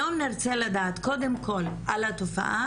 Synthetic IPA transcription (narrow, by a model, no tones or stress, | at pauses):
omniʁt͡seladaːt̪ko̞d̪emko̞lʔalat̪o̞fa̰ʔa